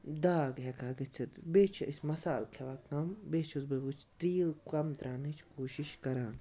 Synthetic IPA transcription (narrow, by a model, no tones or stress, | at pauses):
d̪aːɡɦɛkʰaːɡɐt͡sʰit̪beːt͡ʃʰɐʔisʲmɐsaːlkʰeʋaːk̚t̪ɐmbeːt͡ʃʰuzbebut͡ʃʰt̪ɾiːlkɐmt̪ɾaːnit͡ʃʰkoːʃiʃkɐɾãːn